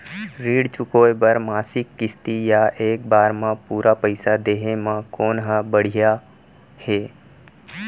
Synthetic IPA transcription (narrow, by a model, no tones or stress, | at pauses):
ɾiːɽt͡ʃʊkoːjbəɾmaːsɪkːɪst̪ijaʔeːk̚baːɾmãpuːɾapəɪsad̪eːɦemãkoːnɦabəɽ̤ija | heː